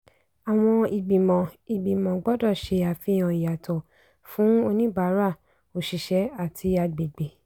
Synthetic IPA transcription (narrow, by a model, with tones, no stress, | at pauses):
a˨w̃ɔ̃˧i˨ɡ͡bi˨mɔ̃˨i˨ɡ͡bi˨mɔ̃˨ɡ͡bɔ˦dɔ˦˨ʃe˧a˨fĩ˧˦j̃ã˨i˨ja˨tɔ˨ | fũ˨˦o˧nĩ˦ba˨˦ɾa˦˨ | o˨ʃi˨ʃɛ˨˦a˨tʰi˧a˧ɡ͡be˨ɡ͡be˨